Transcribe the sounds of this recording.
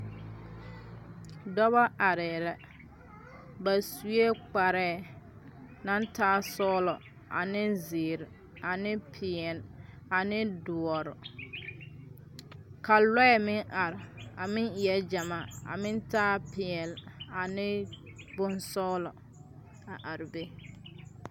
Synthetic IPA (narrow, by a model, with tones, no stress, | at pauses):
dɔ˦ba˦ʔa˨ɾɛ˨la˨ | ba˨su˨e˦k͡pa˨ɾɛ˦˨ | na˦ntaː˦sɔː˦lɔ˨ | ʔa̰˨nɪ˦zeː˨ɾɪ˨ | a˨nɪ˦pʰɪ˨ɛ˨l | a˨nɪ˦dʊ˨ɔ˨ɾɔ˨ | ka˨lɔ˦ɛ˨mɪ˦ŋʔa˨ɾɪ˨a˨mɪ̃˦ŋɪ˨ɛ˦d͡ʒa˨ma˦˨a̰˨mɪ̃˦ntaː˦pɪ˨ɛ˨la˨nɪ˦bʊ˦nsɔː˦lɔ˨ | a˨ʔa˨ɾɪ˨be˦